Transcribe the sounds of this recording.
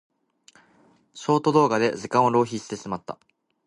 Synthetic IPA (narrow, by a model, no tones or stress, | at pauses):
ɕo̞ːt̪o̞d̪o̞ːɡad̪e̞zɨkão̞ɾo̞ːçiːsɨ̥t̪e̞sɨmat̪ːa̰